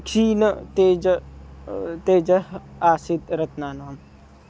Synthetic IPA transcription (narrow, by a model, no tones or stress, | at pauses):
t͡ʃʰiːnt̪eːd͡ʒ | t̪eːd͡ʒɐɦaːsid̪ɾɐt̪naːnaːm